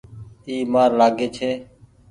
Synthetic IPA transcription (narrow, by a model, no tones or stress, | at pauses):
iːmaːɾlaːɡeːt͡ʃʰeː